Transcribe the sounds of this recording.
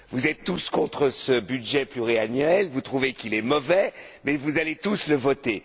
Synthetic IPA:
vuzɛt̪ːuskɔ̃t̪χəsəbyd̪ʒɛplyʁianɥɛlvut̪χuvekilɛmɔvɛmɛvuzalet̪usləvɔt̪e

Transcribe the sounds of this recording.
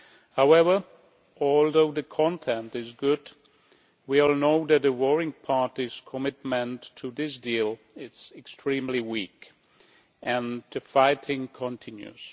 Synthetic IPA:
haʊɛvə˞ | ɔlˠðoʊðɨkʰɑ̃ntʰɛ̃ntɨzɡʊd | wiɔlˠnoʊðɨt̪̚ðɨwɔɹɪ̃ŋpʰɑɹɾiz̥kʰəmɪt̚mɨ̃ntʰːɨðɪs̬dilˠ | ɪtsɨkstʰɹ̥ĩmliwik | ɨ̃nɨfaɪtʰɪ̃ŋkʰə̃ntʰɪ̃njʉ̰z̥

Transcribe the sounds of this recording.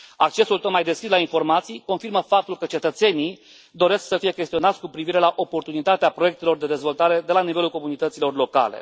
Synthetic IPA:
ak̚t͡ʃe̞sult̪ot̪̚majd̪e̞skɾislainfo̞rmat̪sijko̞nfirməfap̚t̪ulkət͡ʃe̞t̪ət̪se̞ni | d̪o̞ɾe̞sksəfije̞kʲe̞st̪io̞nat̪sʲkupɾiviɾe̞laʔo̞po̞rt̪unit̪at̪eapɾo̞je̞k̚t̪e̞lo̞rd̪e̞d̪e̞zvo̞lt̪aɾe̞d̪e̞lanivelulko̞munit̪ət̪silo̞rlo̞ka̰le̞̰

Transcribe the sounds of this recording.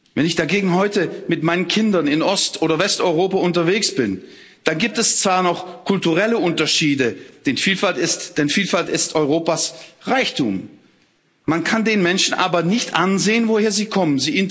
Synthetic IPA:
vɛnɪçd̥aɡeːɡŋ̩ɦɔʏtəmɪtmaɪnənkʰɪndɐnɪnʔɔstʔoːɾɐvɛstɔʏʁoːpaʊntɐveːksb̥ɪn | d̥anɡiːp̚tɛst͡sv̥aːɐnɔχkʰʊltuʁɛləʔʊntɐʃiːdəd̥ɛnfiːlfaltɪstd̥ɛnfiːlfaltɪstʔɔʏʁoːpasʁaɪçtʰṵːmː | ankʰandeːnmɛnʃn̩ʔa̰ːbɐnɪçtʔanzeːənvoheːɐziːkʰɔmənziːʔɪnt

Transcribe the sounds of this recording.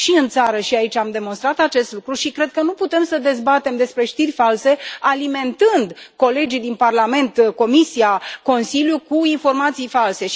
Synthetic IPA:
ʃiɨnt̪saɾəʃiait͡ʃamd̪e̞monst̪ɾat̪at͡ʃe̞st̪lukɾuʃikɾe̞d̪̚kənuput̪e̞msəd̪e̞zbat̪e̞md̪e̞spɾe̞ʃt̪irʲfalse̞alime̞nt̪ɨnd̪ko̞le̞d͡ʒijd̪inparlame̞nt̪ko̞misijako̞nsiljukuinfo̞rmat̪sijfalse̞ʃ

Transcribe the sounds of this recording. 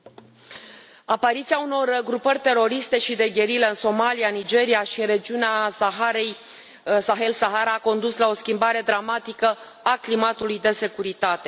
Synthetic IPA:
apaɾit̪siauno̞rɡɾupərʲt̪e̞ɾo̞ɾist̪e̞ʃid̪e̞ɡʲe̞ɾileɨnso̞malianid͡ʒe̞ɾiaʃiɾe̞d͡ʒiuneasaɦaɾej | saɦe̞lsaɦaɾaːko̞nd̪uslao̞skʲimbaɾe̞d̪ɾamat̪ikə | aklimat̪ulujd̪e̞se̞kuɾit̪at̪e̞

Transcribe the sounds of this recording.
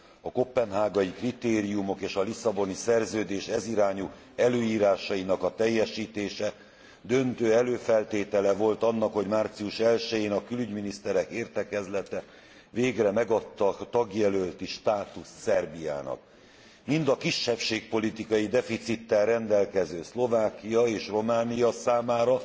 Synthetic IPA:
ɒko̞pːɛnɦaːɡɒjikrit̪eːɾijumo̞keːʃɒlisɒbo̞nisɛrzøːd̪eːʃɛziɾaːɲu | ɛløːiːɾaːʃɒinɒkɒt̪ɛjːɛʃiːt̪eːʃɛ | d̪ø̞nt̪øːɛløːfɛlt̪eːt̪ɛlɛvo̞lt̪ɒnːɒkho̞ɟmaːrt̪sijuʃɛlʃɛjeːnɒkylyɟminist̪ɛɾɛkeːrt̪ɛkɛzlɛt̪ɛ | veːɡrɛmɛɡɒt̪ːɒt̪ɒɡjɛlølt̪iʃt̪aːt̪usːɛrbija̰ːnɒ̰k̚ | mind̪ɒkiʃːɛpʃeːk̚po̞lit̪ikɒjid̪ɛfit̪sit̪ːɛlrɛnd̪ɛlkɛzøːslo̞vaːkijɒeːʃro̞maːnijɒsaːmaːɾɒ

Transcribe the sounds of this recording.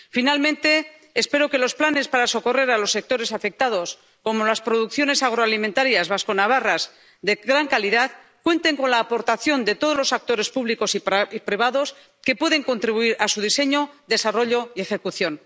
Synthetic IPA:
finalmẽ̞nt̪e̞ː | spe̞ɾo̞ke̞lo̞splane̞spaɾaso̞ko̞re̞ɾalo̞sːe̞k̚t̪o̞ɾe̞safe̞k̚t̪að̞o̞s | ko̞mo̞laspɾo̞ðukθjo̞ne̞saɣ̞ɾoalimẽnt̪aɾjazβasko̞naβ̞aras | d̪e̞ɣɾaŋkaliðað | kwe̞nt̪e̞ŋko̞nlaːpo̞ɾt̪aθjo̞nd̪e̞t̪o̞ð̞ozlo̞sak̚t̪o̞ɾe̞spuβliko̞siipɾiβ̞aðo̞s | ke̞pwe̞ðe̞ŋko̞nt̪ɾiβuiɾasuðise̞ɲo̞d̪e̞saro̞ʎo̞ie̞xe̞kuθjo̞n

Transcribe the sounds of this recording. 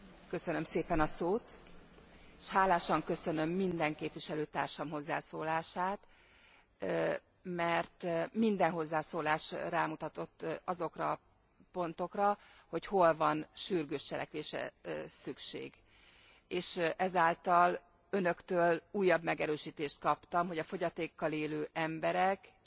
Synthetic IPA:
kø̞sønø̞mseːpɛnɒsoːt̪ | eʃhaːlaːʃɒŋkø̞sø̞nø̞mːind̪ɛŋkeːpʋiʃɛløːt̪a̰ːrʃɒmɦo̞zːa̰ːsoːlaːʃaːt̪ | mɛrt̪mind̪ɛnɦo̞zːaːsoːlaːʃraːmut̪ɒt̪o̞t̪ːɒzo̞krɒ̰ | po̞nt̪o̞krɒho̞cho̞lvɒnʃyrɡøːʃt͡ʃɛlɛ̰kʋeːʃɛ̰sykʃḛːɡ | eːʃʔɛzaːlt̪ɒl | ø̞nø̞kt̪øːluːjːɒbmɛɡɛɾøːʃiːt̪eːʃt̪̚kɒpt̪ɒmɦo̞ɟɒfo̞ɟɒt̪eːkːɒleːløːʔɛmbɛɾɛk

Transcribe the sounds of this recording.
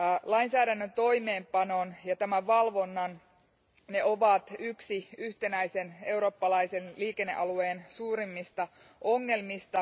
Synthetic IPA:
lɑinsæːɾænːønt̪o̞jme̞ːmpɑno̞njɑt̪æmæʋʋɑlʋo̞nːɑn | ne̞o̞ʋɑt̪yksiyht̪enæise̞ne̞uɾo̞ːpːɑlɑisenliːke̞nːe̞̰ʔɑlue̞ːnsuːɾimːist̪ɑ | ʔo̞ŋːe̞lmist̪ɑ

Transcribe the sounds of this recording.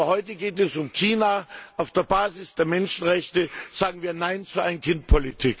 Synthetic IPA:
hɔʏtəɡeːtɛsʊmkʰiːnaʔaʊfd̥eːɐbaːzɪsd̥eːɐmɛnʃn̩ʁɛçtəz̥aːɡŋ̩viːɐnaɪnt͡suʔaɪnənkʰɪnt̚pʰolitʰiːk

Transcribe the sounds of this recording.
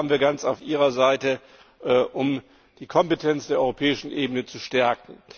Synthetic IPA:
bn̩viːɐɡant͡saʊfʔiːʁɐzaɪtə | ʔʔʊm | d̥iːkʰɔmpetʰɛnt͡sd̥eːɐʔɔʏʁopʰɛːɪʃn̩ʔeːbənət͡suʃtɛɐkŋ̩

